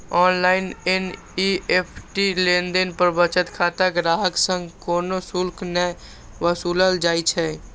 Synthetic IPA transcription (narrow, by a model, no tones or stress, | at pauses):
ɔːnlaːɪnen | ieːpʰʈilẽːnd̪enpəɾbət͡ʃət̪kʰaːt̪aɡɾaːɦəksə̃ŋɡkoːnosʊlkʰnɛ | ʋwəsuːləld͡ʒaːit͡ʃʰɛː